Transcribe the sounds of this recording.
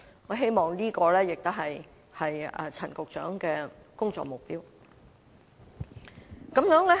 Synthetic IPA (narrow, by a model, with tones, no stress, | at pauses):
ŋɔː˨˧ɦe˥jmɔː˨ŋliː˥kɔː˧lɛː˥jɪ˨k̚t̪ʊ˥ɦɐ˨j | hɐ˨jɛ̰˧t͡sʰɐ˨˩nkʊ˨k̚t͡ʃœ̰ː˨˥ŋkɛː˧ | kʊ˥ŋt͡sɔ̰˨k̚mʊ˨k̚piː˥w | kɐ˨˥mjœː˨˥ŋlɛː˥